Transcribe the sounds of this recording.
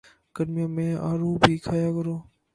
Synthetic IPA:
kəɖmɪjãːmẽːaːɾuːbʱiːkʰaːjaːkəɾoː

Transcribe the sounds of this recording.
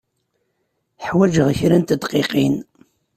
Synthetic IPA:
ħwæd͡ʒəʁçɾænt̪əd̪qeqin

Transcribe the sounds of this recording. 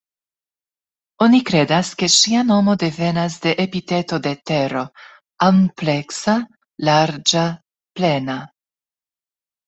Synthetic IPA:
o̞nikɾe̞daske̞ʃiano̞mo̞de̞ve̞nas̬de̞ʔepite̞to̞de̞te̞ɾo̞ | ample̞ksa | laɾd͡ʒa | ple̞na

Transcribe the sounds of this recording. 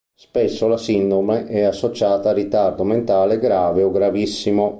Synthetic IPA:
spɛsːolasind̪omeʔɛasːot͡ʃaːt̪aːrːit̪ard̪oment̪aːleɡɾaːveoɡɾavisːimo

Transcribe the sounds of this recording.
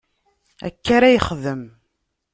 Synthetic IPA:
æ̰kːaɾæjəχðəm

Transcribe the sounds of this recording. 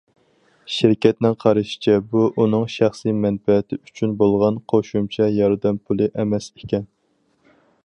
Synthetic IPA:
ʃɪɾkʲɛt̪nɪŋqʰɑɾɨʃɪ̥t͡ʃʰɛbuʔunɨŋʃæχsimɛnfɛt̪ʰɪyt͡ʃʰynbolˠʁɑnqʰoʃumt͡ʃʰɛjɑɾd̪ɛmpʰulˠɨʔɛmɛsekʲʰɛn

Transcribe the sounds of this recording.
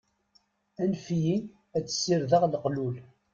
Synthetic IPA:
ænfji | æt͡sːsːiɾðəʁlqlul

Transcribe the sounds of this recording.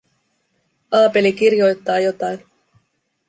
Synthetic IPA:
ɑːpe̞lik̟irjo̞jt̪ːɑːjo̞t̪ɑjn

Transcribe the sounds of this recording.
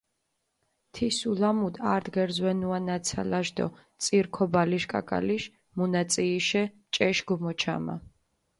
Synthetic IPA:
t̪ʰisulamud̪a̰ɾd̪ɡɛɾzwɛnuanat̪sʰa̰laʒd̪ɔ̰ | t̪sʼiɾkʰɔbaliʃkʼa̰kʼa̰liʃ | munat̪sʼiːʃɛ | t͡ʃʼɛʃɡɔmɔt͡ʃʰa̰ma̰

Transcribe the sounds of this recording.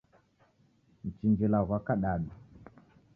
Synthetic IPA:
n̩t͡ʃind͡ʒilaɣʷakaɗaɗu

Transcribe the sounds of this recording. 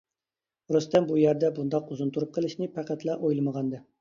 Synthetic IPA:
ɾust̪ɛmbujɛɾd̪ɛbund̪ɑquzunt̪ʰuɾup̚qʰəlˠɨʃnɨpʰæqæt̪lˠɑʔojlˠɨməʁɑnd̪ɨ

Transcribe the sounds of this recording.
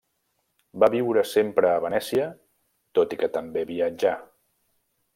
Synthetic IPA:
baβiwɾəsempɾəːβənɛsiə | t̪ot̪ikət̪əmbeβiəd͡ʒa

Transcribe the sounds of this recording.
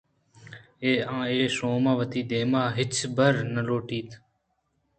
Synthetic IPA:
eːãːeːsoːmãːʋət̪iːd̪eːmaːɦɪt͡ʃʰbəɾnəloːʈiːt̪ʰ

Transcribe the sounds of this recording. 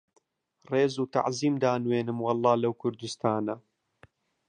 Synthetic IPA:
reːzuːt̪a̰ʕziːmd̪aːnweːnɨmwɑlˠˤːɑːlɐwkʰʊɾd̪ust̪ʰaːnɐ

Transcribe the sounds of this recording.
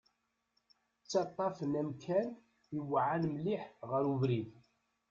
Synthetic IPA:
t͡sːɑt̪ˤːɑfənæmkʰæn | iwʕanmliħʁəɾuvɾið

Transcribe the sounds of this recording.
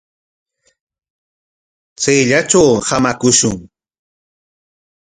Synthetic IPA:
t͡sajʎat͡ʃawhamakʊʃʊŋ

